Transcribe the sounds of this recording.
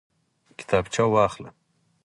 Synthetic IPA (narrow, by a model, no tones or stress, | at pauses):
kɪ̥t̪ʰaːbt͡ʃʰawwaːxlɐ̰